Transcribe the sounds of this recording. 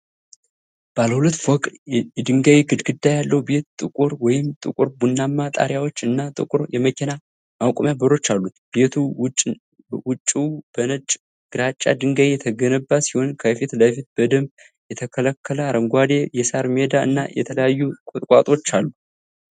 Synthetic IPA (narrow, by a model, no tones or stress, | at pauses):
b̥aləhulət̪ːwɔkʼɛd̪ɨŋɡawiɡɨd̪ɡɨd̪ːajalːəube̞t̪t̪ʼɨkʼuɾwɔjɪmt̪ʼɨ̰kʼuɾbunːamːat̪ʼa̰ɾjawot͡ʃːɨnːat̪ʼɨ̰kʼuɾjɛməkʰʲena | mawkʼmjabəɾo̞t͡ʃːalːut̪b̥e̞t̪ʰu | wʊt͡ʃʼːib̥ənət͡ʃʼ | ɡ̥ɨɾat͡ʃʼːa̰d̪ɨŋɡajɛt̪ʰəɡənəbːasiho̞nkʰəfit̪ləfit̪̚b̥əd̪əmb | jɛt̪ʰəkʰələkʰːələaɾəŋɡʷad̪e̞jɛsaɾmed̪aɨ̰nːa̰jɛ̰t̪ʰələjajːukʼot̪ʼkʼa̰t̪ʼo̞t͡ʃːalːu